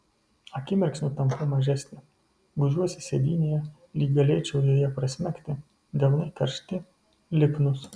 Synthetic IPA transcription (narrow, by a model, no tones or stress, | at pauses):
ɐkʲɪmʲɛɾʲksʲnʲʊt̪ɐmpɐmɐʒʲæsʲnʲɪ | ɡʊʒʲuɔsʲɪsʲed̪ʲiːnʲeːjɛ | lʲiːkɡɐlʲeːt͡ʃʲɛʊj̪ojɛpɾɐsʲmʲæˑkʲt̪ʲɪ | d̪ʲɛlˠnɐɪkɐɾʲʃʲt̪ʲɪ | lʲɪpnʊs